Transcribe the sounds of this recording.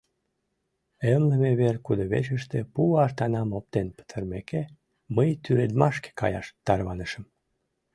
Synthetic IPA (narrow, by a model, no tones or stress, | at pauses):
emləmeβerkud̪oβḛʃəʃt̪epuɑrt̪ɑnɑmop̚t̪enpə̥t̪ʰərmeke | məjt̪yɾed̪mɑʃke̥kɑ̰jɑ̰ʃt̪ɑrβɑnəʃəm